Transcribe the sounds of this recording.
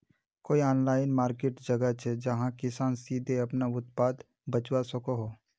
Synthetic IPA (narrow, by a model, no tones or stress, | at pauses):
koːiɔːnlaːɪnmaːɾkeːʈd͡ʒɐɡət͡ʃʰɛd͡ʒɐɦãkɪsaːnsiːd̪ʱeɐpnaʊt̪̚paːd̪ | bɐt͡ʃwasɐkoɦoː